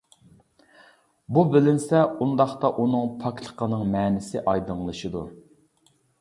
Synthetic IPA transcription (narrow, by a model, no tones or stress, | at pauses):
bubɪlɪnsɛund̪ɑχt̪ɑʔunɨŋpʰɑkt̪ʰə̥qʰənɨŋmɛːnɪsɪʔɑjd̪ɨŋlˠɨʃɨd̪u